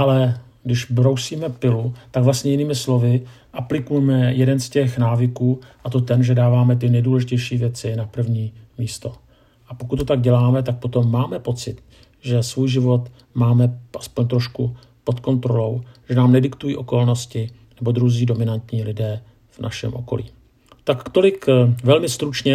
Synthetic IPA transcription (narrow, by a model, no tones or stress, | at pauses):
ʔalɛɡdɪʃbɾo̞wsiːmɛpɪlut̪aɡvlast̪ɲɛjɪniːmɪslo̞vɪ | ʔaplɪkujɛmɛjɛdɛnscɛxnaːvɪkuːʔat̪o̞t̪ɛnʒɛdaːvaːmɛt̪̬ɪnɛjduːlɛʒɪcɛjʃiːvjɛt͡sɪnapr̩vɲiːmiːst̪o̞ | ʔapo̞kut̪t̪ːot̪aɡ̚ɟɛlaːmɛt̪ak̚po̞t̪o̞mːaːmɛpo̞t͡sɪt̪̚ | ʒɛsvuːjʒɪvo̞t̪ | maːmɛʔaspoɲt̪ɾo̞ʃku | po̞t̪ko̞nt̪ɾo̞lo̞wʒ̥ɛnaːmnɛdɪkt̪ujiːʔo̞ko̞lno̞scɪ | nɛbo̞d̪ɾuziːdo̞mɪnant̪ɲiːlɪdɛː | vnʔa̰ʃɛ̰mʔo̞̰ko̞̰lḭː | t̪akt̪o̞lɪkvɛlmɪst̪ɾut͡ʃɲɛ